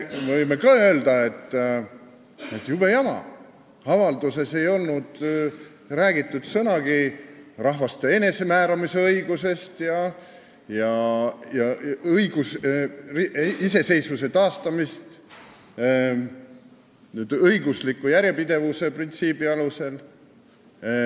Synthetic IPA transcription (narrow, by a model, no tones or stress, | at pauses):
mevɤjme̞kɑːø̞ːld̪̥ɑe̞t̪ˑː | e̞t̪ːˑjub̥ejɑmɑ̰ | ɑvɑld̪use̞se̞jo̞lnud̪̥ | ræːɡit̪ˑːud̪̥sɤnɑɡ̥irɑɦvɑst̪e̞e̞ne̞se̞mæːɾɑmise̞ɤiɡ̥use̞st̪jɑ | jɑjɑjɡ̥usriise̞se̞jsvuse̞t̪ɑːst̪ɑmist̪ | nyːd̪̥ɤjɡuslikːujæɾjepid̪̥e̞vuse̞print̪siːbiɑluse̞l